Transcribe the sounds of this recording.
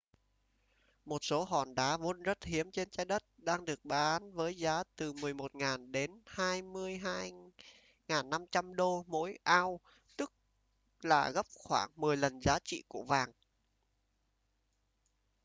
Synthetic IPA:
mo˨˩t̚so˨˦ɦɔ˧˩nɗa̰ː˨˧˦vo˧nzə˦˥t̚hi˨˦əmt͡ɕe˧nt͡ɕaː˧jɗə˦˥t̚ɗaː˧ŋɗɨ˨˩ək̚ɓaː˨˦nvəː˨˦jzaː˨˦t̪ɨ˨˩mɨ˨˩əjmo˨˩t̚ŋaː˨˩nɗe˨˦nhaː˧jmɨ˧əjɦaː˧j | ŋaː˨˩nːa˧mt͡ɕa˧mɗo˧mo̰˧˥jʔaː˧w | t̪ɨ˦˥k̚ | laː˨˩ɣə˦˥p̚xwaː˧˩ŋmɨ˨˩əjlə˨˩nzaː˨˦t͡ɕḭ˧˨ku˧˩əvaː˨˩ŋ

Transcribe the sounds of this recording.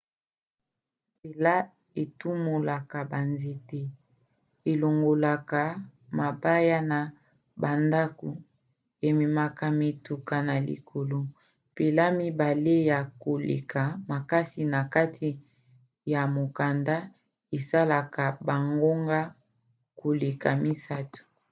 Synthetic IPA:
pe˨la˦ | e˨tu˦mo˨la˨ka˨ba˨nze˨te˦ | e˨lo˨ŋɡo˨la˨ka˨ma˨ba˦ja˦na˨ | ba˨nda˦ko˨ | e˨mi˨ma˨ka˨me˨tu˨ka˨na˨lḭ˨kʰo˨lo˨ | pe˨la˦mi˦ba˨le˦ja˨ko˨lḛ˨ka˨ma˨ka˦si˨na˨ka˦tʰi˦ | ja˨mo˨ka˨nda˦ | e˨sa˦la˨ka˨ba˨ŋɡo˦ŋɡa˦ | ko˨le˨ka˨mi˦sa˦tu̥˨

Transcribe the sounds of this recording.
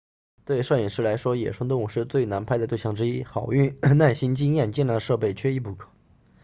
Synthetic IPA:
t̪we˥˧ɪʂwɤ˥˩ɛ˨˩ʂɻ̩˥˩la˧˥ɪʂwɔ˥jɛ˨˩ʂʰɤ˥ŋt̪u˨˩ʂɻ̩˥˧t͡swe˥˩ɪna˧˥npʰɪd̪ə˧t̪e˥˧ɪɕjɑ˥˩ŋʈ͡ʂɻ̩˥i˥xɑ˨˩ʊy˥˩nna˥˩nɕi˥nt͡ɕi˥ŋjɛ˥˧nt͡ɕi˥nɻa˧˥ʂɤ˥˧pe˥˩ɪt͡ɕʰɥɛ˥i˥˩pu˧˩kʰɤ̥˨˩˦

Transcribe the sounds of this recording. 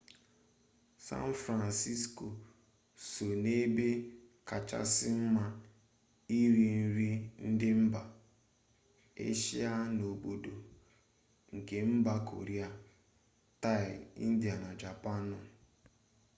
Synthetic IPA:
sa̰˦n˦fɾa˨nsi˦sko˨ | so˨ne˦be˦ka˨t͡ʃa̰˦sɪ˦m̩˦ma˦ | i˦ɾi˨n̩˦ɾi˦n̩˦dɪ˦m̩˦ba˨ | ḛ˦ʃi˦a˦no˨bo˨do˨ | ŋ̩˨ke˨m̩˦ba˦kʰo̰˨ɾi˦a˨ | ta˦ɪ˨ḭ˦n̩˦dja˨na˨d͡ʒa˨pa˦nʊ˨

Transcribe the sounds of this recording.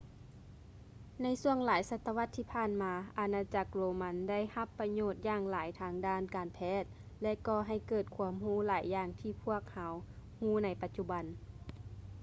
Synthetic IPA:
na˧˥jsu˧˩əŋlaː˨˦jsa˧t̪ːa˧ʋa˧˥t̪ʰːiː˧˩pʰaː˧˥˨nmaː˧˦ʔa˨˧naː˧t͡ɕa˧k̚loː˧ma˧˥nda˥˨jha˧pːa˧ɲoː˧˩t̪̚jaː˧˩ŋlaː˨˩˦jt̪ʰaː˧ŋdaː˧˥˨nkaː˨npʰɛː˧˥˩t̪̚ | lɛ˧ʔkɔː˧˩ɦa˧˩jkɤː˨˩t̪̚kʰu˧˦əmhuː˧˥˨laː˨˦jːaː˧˩ŋt̪ʰiː˧˩pʰu˥˩ək̚ha˨˧whuː˧˥˨na˧˥jpa˧t̪̚t͡ɕu˧ba˨n

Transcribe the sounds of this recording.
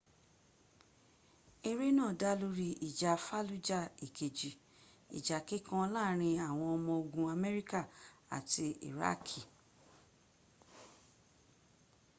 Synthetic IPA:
e˧ɾe˦nãː˦˨da˦lu˦ɾi˧i˨d͡ʒa˨fa˦lu˦d͡ʒa˦˨i˨ke˨d͡ʒi˨ | ḭ˨d͡ʒa˨ke˨˦kã˦˧˦laː˦˨˦ɾ̃ĩ˧a˦˨w̃ɔ̃˧ɔ˧mɔ̃˧o˧ɡũ˧a˧mɛ˦ɾi˦ka˦˨a̰˨ti˧ḭ˨ɾa̰˦kʰi˦˨

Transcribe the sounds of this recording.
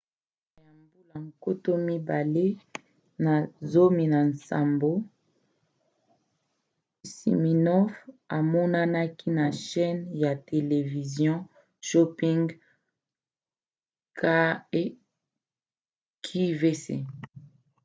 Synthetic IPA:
a˨ja˨mbu˦la˨ŋ˨ko˦to˦mi˦ba˨le˦ | na˨zo˦mi˨na˨nsa̰˨mbo˦ | sḭ˨mi˨nɔ˦fa˨mɔ˦na˦na˦ki˦na˨ʃɛ˦nja˨te˨le˨vi˨zjɔ̃˦ | ʃo˦pi˦ŋɡ | kʰa˦e˦ | kʰi˦ve˦sḛ˦

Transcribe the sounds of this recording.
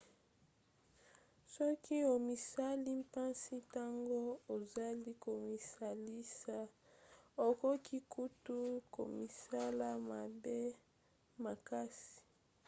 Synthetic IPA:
sɔ˦ki˦o˨mi˨sa˦li˦mpa˦nsi˦ta˦ŋɡo˦o˨za˦li˦ko˨mi˨sa˨li˦sa˦ | o˨ko˦ki˦ku˦tu˦ko̰˨mi˨sa˦la˦ma˨be˦ | ma˨ka˦si̥˨

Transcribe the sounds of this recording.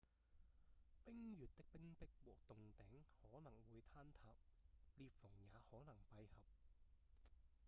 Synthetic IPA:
pɪ˥ŋjyː˨t̚t̪ɪ˥k̚pɪ˥ŋpɪ˥k̚wɔː˨˩k̚t̪ʊ˨ŋt̪ɛː˨˥ŋhɔː˨˥nɐ˨˩ŋwuː˨˧jt̪ʰaː˥nt̪ʰaː˨p̚liː˧t̚fʊ˨˩ŋjaː˨˧hɔː˨˥nɐ˨˩ŋpɐ˧jhɐ˨p̚

